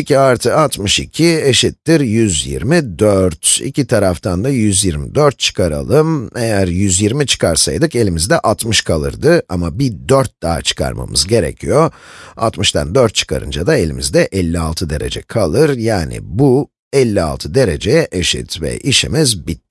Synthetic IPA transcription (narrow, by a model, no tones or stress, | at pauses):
icʰʲiaɾt̪ʰɯat̪mɯʃicʰieʃit̪ːiɾjyzjḭɾmid̪øɾt̪ḭcʰit̪ʰaɾaft̪ʰand̪ajyzjiɾmid̪øɾt̪̚t͡ʃʰɯ̥kʰaɾa̰lˠɯme̞jæɾjyzjiɾmit͡ʃʰɯ̥kʰaɾsajd̪ɯke̞lʲimizd̪ɛʔat̪mɯʃkʰalˠɯ̰ɾd̪ɯamabid̪øɾt̪̚d̪aːt͡ʃʰɯ̥kʰa̰ɾma̰mɯzɟe̞ɾɛ̰cʰijoa̰t̪mɯʃt̪ʰa̰nd̪øɾt̪̚t͡ʃʰɯ̥kʰa̰ɾɯ̰nd͡ʒad̪ae̞lʲimizd̪ɛʔɛlʲːialˠt̪ʰɯd̪e̞ɾe̞̰d͡ʒɛkʰalˠɯɾjaːnḭbu | ɛlʲːia̰lˠt̪ʰɯd̪e̞ɾe̞d͡ʒejɛʔeʃḭt̪vɛ̰ʔiʃḭmizbit̪̚